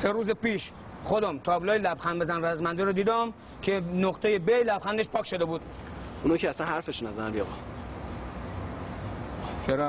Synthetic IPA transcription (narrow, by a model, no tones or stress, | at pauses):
seɾuːzepiːʃ | χod̪ɒmt̪ʰɒːblɒːjelæbxænd̪bezænræzmænd̪eɾod̪iːd̪ɒm | kʰenoqt̪ʰejebejlæbxænd̪eʃpʰɒːkʰʲʃo̞d̪ebuːd̪̥unoːicʰeæsænɦæɾfeʃunæzæænliɒɣɒ | kʰeɾ